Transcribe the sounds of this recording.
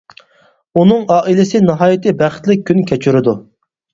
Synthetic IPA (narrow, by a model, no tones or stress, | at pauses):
unɨŋɑːʔilɪsɪnɨɦɑːjit̪ʰɨbæχt̪lɪk̚ʲʰːynkʲʰɛt͡ʃʰyɾɪd̪u